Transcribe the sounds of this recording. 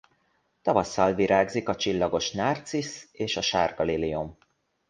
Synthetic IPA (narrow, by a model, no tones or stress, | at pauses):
t̪ɒvɒsːɒlviɾʔaːɡzikɒt͡ʃilːɒɡo̞ʃnaːrt̪siseːʃɒʃaːrɡɒlilijum